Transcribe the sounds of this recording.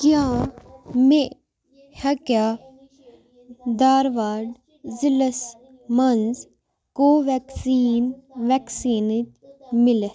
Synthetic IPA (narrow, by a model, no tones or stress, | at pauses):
kjaː | me | hɐkjaː | d̪aːɾʋaːɖ | ziləs | mɐnz | koːʋɛksiːnʋɛksiːnd͡ʒ | mɪle